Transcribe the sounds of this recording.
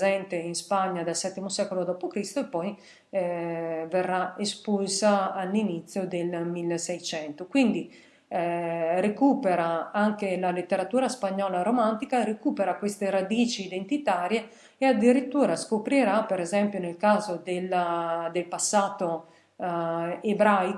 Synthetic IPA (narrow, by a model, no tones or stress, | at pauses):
zɛnt̪einspaɲːad̪alsɛt̪ːimosɛkolod̪ɔːpokɾist̪oepːɔj | verːaespulsaːlːinit̪sːjod̪elmilːesɛjt͡ʃɛnt̪okwind̪i | rekuːpeɾaaŋkelalet̪ːeɾat̪uːɾaspaɲːɔːlaɾomant̪ikaɾekuːpeɾakwest̪eɾad̪iːt͡ʃiːd̪ent̪it̪aːɾje | ead̪ːiɾit̪ːuːɾaskopɾiɾapeɾɛzɛmpjonelkaːzod̪elad̪elpasːaːt̪o | ebɾajk